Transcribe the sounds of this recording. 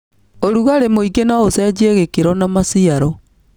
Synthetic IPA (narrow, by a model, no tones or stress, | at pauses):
oɾuɣaɾemoiɡenaosɛd͡ʑieɣekeɾɔnamasiaɾɔ